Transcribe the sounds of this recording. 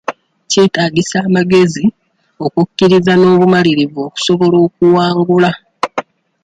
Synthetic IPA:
ceːtaːɡisaːmaɡe̞zi | o̞kucːiɾizano̞ːβumaliɾivo̞ːku̥so̞βo̞lo̞ːk̚uwaːŋɡula

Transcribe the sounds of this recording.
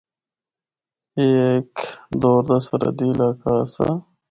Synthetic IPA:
eːkd̪oːɾd̪ɐsɐɾɐ̰d̪ilaːkaːsɐ̰

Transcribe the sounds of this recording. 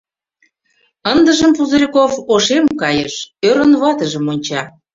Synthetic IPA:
ənd̪ə̆ʒəmpuzəɾʲikofoʃemkɑjəʃøɾə̆nβɑt̪əʒə̆monʲt͡ɕɑ

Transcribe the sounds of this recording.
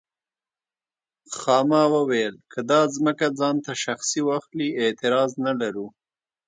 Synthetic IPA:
xɑmawəwajəlkʰəd̪ɑzməkad͡zɑnt̪aʃaxsiwaxliet̪ɪɾɑznalaɾu

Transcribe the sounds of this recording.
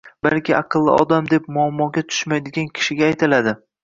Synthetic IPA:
balkʲʰɪɑqʰɨlˠːɪ̰ʔɒ̰d̪amd̪ep̚mʊamːɒɡʲat̪ʰʊ̥ʃmajd̪ɪɡʲankʲʰɪ̥ʃɪɡʲaːjt̪ʰɪlad̪ɪ

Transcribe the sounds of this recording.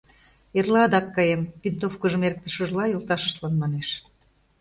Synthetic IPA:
erlɑd̪ɑkːɑjempint̪ofkəʒə̆merk̚t̪ə̥̆ʃə̆ʒlɑjolt̪ɑʃə̥ʃt̪lɑnmɑneʃ

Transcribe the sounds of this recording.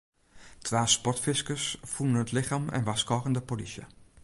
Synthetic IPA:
tʰʋaːspɔtfɪskəsfunənətlɪxaːmɛ̰nʋaskɔːɣəndəpolisjə̰

